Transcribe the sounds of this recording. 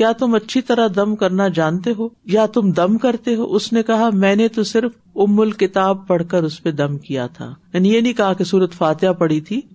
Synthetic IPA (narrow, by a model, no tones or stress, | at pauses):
kjaːt̪ʊmɐtːʃʰit̪ɐɾaɦd̪ɐmkɐɾnad͡ʒãːnt̪eɦoːjat̪ʊmd̪ɐmkɐɾt̪eɦo̰ːʔʊsnekɐɦamɛ̃ːnet̪osɪɾf | ʊmːʊlkɪt̪aːb̚pɐɽ̤kəɾʊsped̪ɐ̃mkija̰t̪ʰa̰ːjaːnijenɐĩkɐɦakesuːɾət̪faːt̪ɪjapɐɽ̤it̪ʰiː